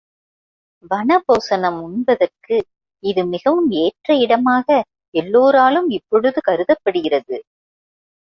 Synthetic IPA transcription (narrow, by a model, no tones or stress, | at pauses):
ʋɐnɐpoːsɐnɐmʊɳbɐðɐrkɯ | ɪðɯmɪɣɐʋɯmeːʈrɐɪɽɐmaːɣɐ | ɛlːoːɾaːlɯmɪpːɔɽɯðɯkɐɾɯðɐpːɐɽɯɣɪrɐðɯ